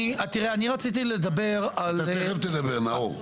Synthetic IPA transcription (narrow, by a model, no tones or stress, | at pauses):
at̪iʁeaniʁat͡sit̪iled̪abe̞ʁaleʁevt̪ed̪ɐbeʁnao